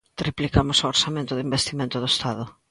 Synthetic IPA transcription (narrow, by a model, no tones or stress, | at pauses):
t̪ɾiplikamʊsooɾsamẽnt̪ʊðimbest̪imẽnt̪ʊðoest̪aðʊ